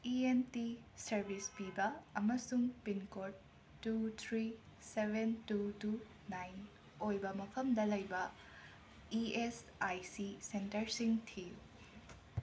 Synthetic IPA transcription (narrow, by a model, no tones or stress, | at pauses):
ientisɐɾbʱispibɐɐmɐsuŋpinkoɾd | tːut̪ʰɾi | sebʱentutu | najn | ojbɐmɐpʰɐmdɐlɐjbɐ | ies | ajsisentɐɾsiŋtʰi